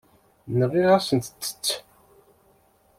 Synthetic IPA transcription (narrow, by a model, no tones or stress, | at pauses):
nəʁiɾasənt̪t͡sːə̥t͡sː